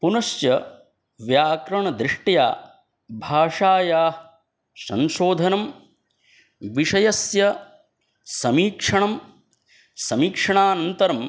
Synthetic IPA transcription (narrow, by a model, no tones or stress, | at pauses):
punɐʃjɐ | ʋjaːkɾɐɳɐd̪ɾiʂʈja̰ː | bʱaːʂaːjaːɦ | sɐ̰̃nʃoːd̪ʱɐnɐm | ʋiʂɐjɐsjɐ | sɐmiːkʂɐɳɐm | sɐmiːkʂɐɳaːnɐnt̪ɐɾɐm